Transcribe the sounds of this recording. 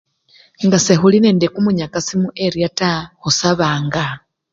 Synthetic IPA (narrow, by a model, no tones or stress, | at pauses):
ŋɡasexulineːndekumuɲakasimuʔeɾiataxusaβaːŋɡa